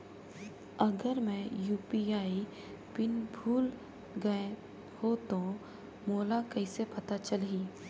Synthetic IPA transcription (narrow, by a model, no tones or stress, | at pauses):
ɐɡəɾmɛ̃juːpiaːi | pɪnbʱuːl | ɡɐẽ | hot̪o | moːlakɐisepɐt̪at͡ʃəlɦiː